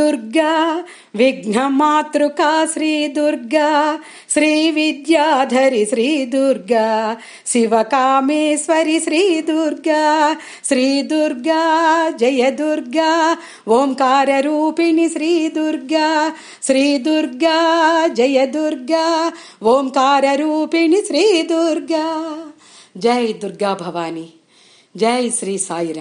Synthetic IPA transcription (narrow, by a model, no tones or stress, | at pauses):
uɾɡɐ | ʋiɡɳ̤ɐmaːt̪ɾukaːʃɾiːd̪uɾɡɐ | ʃɾiːʋid̪jaːd̪ʱɐɾiʃɾiːd̪uɾɡɐ | ʃiʋɐkaːmeːsʋɐɾiʃɾiːd̪uɾɡɐ | ʃɾiːd̪uɾɡad͡ʒɐjɐd̪uɾɡa | ʋoːmkaːɾɐɾuːpiniʃɾiːd̪uɾɡa | ʃɾiːd̪uɾɡad͡ʒɐjɐd̪uɾɡaʋoːmkaːɾɐɾuːpiniʃɾiːd̪uɾɡa | d͡ʒɐjd̪uɾɡaːbʱɐʋaːni | d͡ʒɐjsɾiːsaːjɾɐ